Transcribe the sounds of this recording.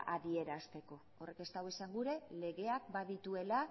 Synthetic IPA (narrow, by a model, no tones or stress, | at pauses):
ʔaðie̞ɾast̪e̞ko̞ | ore̞ke̞st̪awesaŋɡuɾe̞le̞ɣe̞akbaðit̪ue̞la